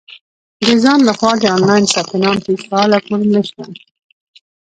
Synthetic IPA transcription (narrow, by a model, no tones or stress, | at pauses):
d̪əzɑnlaxwɑd̪əɑnlɑjnsɑkɪnɑnp̪esɑːlakoɾnəʃt̪a